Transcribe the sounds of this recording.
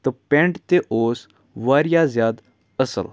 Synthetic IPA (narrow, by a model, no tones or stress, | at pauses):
t̪əpẽɳʈt̪eʔoːs | ʋaɾjazjaːd̪ | əsə̰l